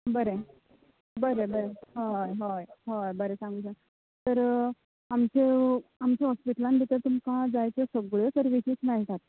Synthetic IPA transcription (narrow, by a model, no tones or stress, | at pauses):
bəɾe | bəɾebəɾeɦajɦajɦajbəɾesãŋɡut͡sa | t̪əɾ | amt͡ɕeamt͡ɕeɦɔspiʈəlanb̪ʱit̪əɾt̪umkãd͡zajt͡sesəɡɭet̪əɾʋit͡ɕiːt͡snaɦit̪at̪